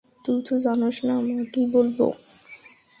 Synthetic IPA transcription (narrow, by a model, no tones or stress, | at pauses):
t̪ut̪ʰud͡ʑanoʃnamakibolbo̰